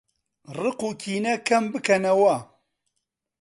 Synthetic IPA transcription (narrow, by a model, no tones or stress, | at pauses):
rɨqukʰinɐkɐmbɨkɐnɐwa